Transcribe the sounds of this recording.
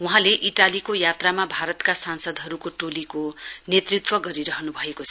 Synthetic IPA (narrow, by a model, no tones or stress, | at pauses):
wuɦãleʔiʈalikojat̪ramabʱaɾʌt̪kasansʌd̪ɦʌɾukoʈolikonet̪rit̪wʌɡʌɾiɾʌɦnubʱʌekot͡sʰʌ̥